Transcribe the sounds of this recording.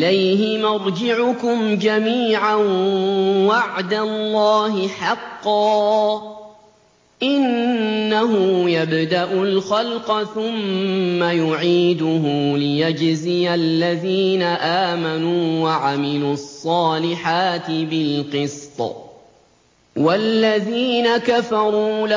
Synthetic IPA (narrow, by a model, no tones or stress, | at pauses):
ʔɪlajɦɪmɑɾˤd͡ʒɪʕʊkʊmd͡ʒamiːʕan | waʕd̪alːɑːɦɪħɑqːɑː | ʔɪnːaɦʊjabd̪aʔʊlxɑlqɑθʊmːajʊʕiːd̪ʊɦʊlɪjad͡ʒzɪjalːaðiːnaʔaːmanuːwaʕamɪluːɑsˤːɑːlɪħaːt̪ɪbɪlqɨst̪ˤ | walːaðiːnakafɑɾˤuːl